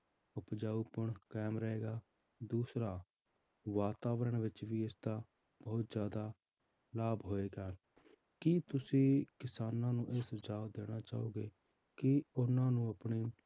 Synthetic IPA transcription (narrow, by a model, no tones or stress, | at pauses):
ʊpd͡ʒaːuːpəɳkɛːmɾəeːɡaː | d̪uːsɾaː | ʋaːt̪aːʋəɾəɳʋɪt͡ʃʋiːɪsd̪aː | bəːʊt̪zjaːd̪aː | laːbɦoːeːɡaː | kit̪ʊsĩːkɪsaːnãːnũːʔeːsd͡ʒaːd̪eːɽ̃aːt͡ʃaːuːɡeː | kɪʊnãːnũːəpɳiː